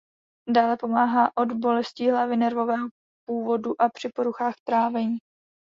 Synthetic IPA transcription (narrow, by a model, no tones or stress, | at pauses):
daːlɛpo̞maːɦaːʔo̞dbo̞lɛsciːɦlavɪnɛɾvo̞vɛːɦo | puːvo̞duʔapr̝̥ɪpo̞ɾuxaːxt̪ɾaːvɛɲiː